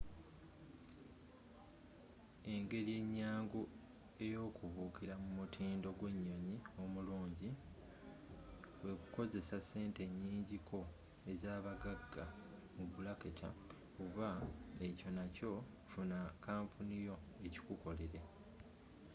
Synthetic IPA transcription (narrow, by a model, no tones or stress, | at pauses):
e̞ŋɡe̞lije̞ɲːaːŋɡu | e̞jo̞ːkuβuːkiɾamumutʰiːndo̞ɡwe̞ɲːo̞ɲio̞muluːɲɟi | we̞kuko̞ze̞sase̞ːnte̞ɲːiːɲɟikʰo̞ | e̞zaːβaɡaɡːa | muβulakeca̰ | uβae̞co̞naco̞ | funakaːmpʰunijo̞e̞ci̥kuko̞le̞ɾe̞